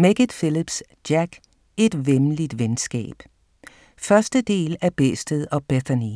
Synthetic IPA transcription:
meɡ̥ədˠfilib̥sd̥æɡ̥ | e̝d̥ʋemlid̥ʋensɡ̥ɛ̰ːb̥ | fɶɐsd̥əd̥e̝̰ːlæb̥esd̥əðˠɒ̽b̥eθɐni

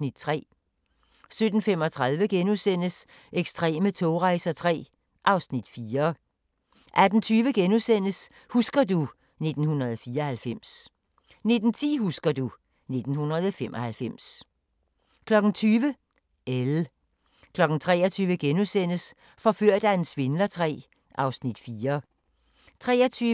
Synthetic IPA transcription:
nid̥̚t͡sʰʁɛ̰ː | sød̥n̩femɒ̽t͡sʰʁɑðˠʋəɡ̥enusen̰əs | ʔeɡ̥sd̥ʁɛ̰ːmət͡sʰo̝ːʁɑ̈ɪsɐt͡sʰʁɛ̰ː | ʔɑ̈ʊsnid̥fiːɐ | ʔæd̥n̩t͡sʰyːʋəɡ̥enusen̰əs | husɡ̥ɐdu | ne̝d̥n̩hunɐðˠfiːɐɒhælfem̰s | ne̝d̥n̩t͡sʰḭːhusɡ̥ɐdu | ne̝d̥n̩hunɐð̞ˠɒfemʔɒhælfem̰s | kʰlɒ̽ɡ̥n̩t͡sʰyːʋə | el | kʰlɒ̽ɡ̥n̩t͡sʰʁɛ̰ːɐt͡sʰyːʋəɡ̥enusen̰əs | fɒ̽føɐ̰d̥æensʋe̝nlɐt͡sʰʁɛ̰ː | ʔɑ̈ʊsnid̥fiːɐ | t͡sʰʁɛːɐt͡sʰyː

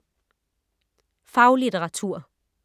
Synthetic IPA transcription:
fɑ̈ʊlidəʁɑ̈t͡sʰuɐ̰

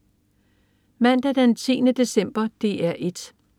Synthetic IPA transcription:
mæn̰d̥æd̥ent͡sʰḭːnəd̥e̝sem̰b̥ɐd̥e̝ːæɐʔe̝d̥

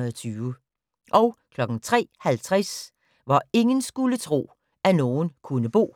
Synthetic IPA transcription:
t͡sʰyːʊə | ʔɒʊkʰlɒ̽ɡ̥n̩t͡sʰʁɛ̰ːhælt͡sʰʁas | ʋɑ̈e̝ŋənsɡ̥ulət͡sʰʁo̝̰ː | æno̝ːnkʰunəb̥o̝̰ː

